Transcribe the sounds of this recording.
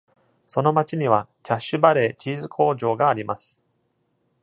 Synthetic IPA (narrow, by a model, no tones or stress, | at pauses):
so̞no̞mat͡ɕiɲ̟iβakʲaɕːɨbaɾe̞ːt͡ɕiːzɨkʰo̞ːʑo̞ːɡaːɾʲimasɨ̥